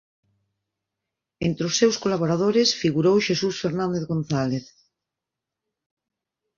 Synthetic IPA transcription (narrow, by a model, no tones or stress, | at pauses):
ent̪ɾeosːewskolaβoɾaðoɾesfiɣuɾowʃesusfeɾnãnd̪eθɣonθaleθ